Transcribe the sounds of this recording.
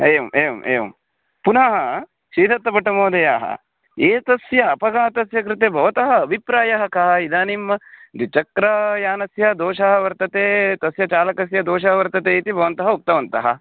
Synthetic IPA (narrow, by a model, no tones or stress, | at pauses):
eːɐmʔeːʋɐ̰mʔḛːʋɐ̰m | punaːɦɐ | ʃiːd̪ʱɐt̪ːɐpɐʈɐmoːd̪ɐjaːɦɐ̰ | eːt̪ɐsjɐːpɐɡaːt̪ɐsjɐkɾɪt̪eːbʱɐʋɐt̪ɐɦɐːbʱipɾaːjɐɦɐkɐɦɐid̪aːnimɐd̪it͡ʃɐkɾɐjaːnɐsjɐd̪oːʃɐɦɐʋɐɾt̪ɐt̪eːt̪ɐsjɐt͡ʃaːlɐkɐsjɐd̪oːʃɐɦɐʋɐɾt̪ɐt̪eːit̪ibʱɐʋɐnt̪ɐɦɐuk̚t̪ɐʋɐnt̪ɐɦɐ